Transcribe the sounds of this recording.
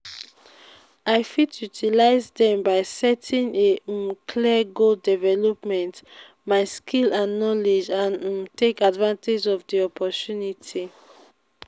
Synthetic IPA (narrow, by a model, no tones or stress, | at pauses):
aɪfitjutʰilaɪzdɛ̃mbaɪsɛtʰĩnemkʰliəɡodɛvɛlɔpmɛ̃nt | maɪskʰilãnːɔled͡ʒãntʰekadvãnted͡ʒɔvdiɔpʰɔtunitʰi